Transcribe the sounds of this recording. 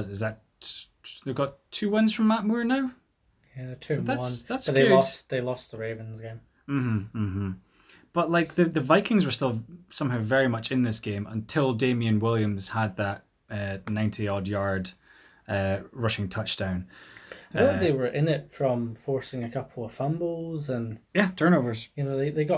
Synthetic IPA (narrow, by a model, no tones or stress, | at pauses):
ɪzðət | ðevɡɔtʰʉːwʌ̃nz̥fɹə̃mːaʔmɔɹnaʊ | jæðətʰʉðatwʌ̃nðatsə̥ðeɪlɔstðelˠɔstðəɹevə̃nzɡẽm | m̩m̥m̩m̥m̩ | b̥ʌʔlˠaɪk̚ðəðəvaɪkɪ̃ŋzwə˞stɪlˠsʌ̃mɦaʊvɛɹimʌt͡ʃɪ̃nðɪsɡ̥ẽmʔə̰̃ntʰɪlˠdẽmiə̃nwɪlˠjə̃mz̥həd̪̚ðəʔ | ʌnãɪ̃ntʰiɔdjaɹd̥ | ʌɹʌʃɪ̃ŋtʰʌt͡ʃd̥ãʊ̃n | oðewə˞ʔɪ̃nɪtfɹə̃mfɔɹsɪ̃ŋəkʰʌpʰl̩ˠəv̥fãmbozə̃njætʰɜ̃˞novə˞z̥jɨnoðeðeɡɔ